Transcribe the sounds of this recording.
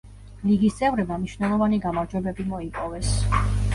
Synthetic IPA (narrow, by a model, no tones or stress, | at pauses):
liɡist̪sʼɛvɾɛbamniʃnɛlˠɔvaniɡamaɾd͡ʒwɛbɛbimɔipʼɔvɛs